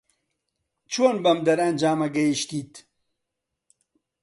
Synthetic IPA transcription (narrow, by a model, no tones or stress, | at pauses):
t͡ʃʰoːnbɐmd̪ɐɾɐnd͡ʒaːmɐɡɐjiʃt̪iːt̪